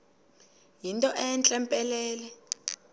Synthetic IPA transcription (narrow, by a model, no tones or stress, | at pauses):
jintʼɔʔɛnt͡ɬʼɛmpʼɛlɛːlɛ